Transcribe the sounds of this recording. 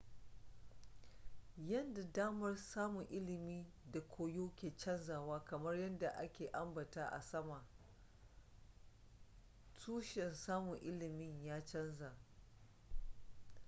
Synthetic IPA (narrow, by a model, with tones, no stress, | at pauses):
jɐ˦nda˨daː˦mɐ˦rsaː˦mʊ˨ŋʔɪ˦lɪ˨miː˦ | da˨kʷʰoː˦joː˦kʲeː˨t͡ʃɐ˦nzaː˨waː˦kɐ˨mɐ˦rjɐ˦nda˨ʔa˦kʲeː˨ʔa˦mbɐ˨taː˦ʔa̰˨sɐ˦ma˨ | tʰuː˦ʃɛ˨nsaː˦mʊ˨ŋʔɪ˦lɪ˨mɪ˦ɲjaː˦t͡ʃɐ˦nzaː˨